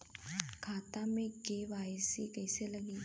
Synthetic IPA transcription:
kʰat̪ameɡeʋajsikəjseləɡi

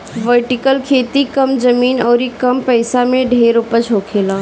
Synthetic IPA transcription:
ʋəɾʈikəlkʰeːt̪ikəmd͡ʒəmiːnɔːɾikəmpəɪsameɖʱeːɾupət͡ʃʰɦokʰeːla

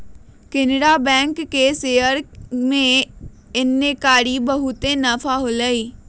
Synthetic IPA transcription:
kɪnɽabɛ̃ːŋkːeseːjəɾmẽ | ɪnːekaːɽibəɦʊt̪enəfʰaɦoləiː

